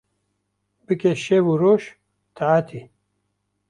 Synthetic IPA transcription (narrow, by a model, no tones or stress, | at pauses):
bɨkeʃevuɾoːʃ | t̪ʰaat̪ʰi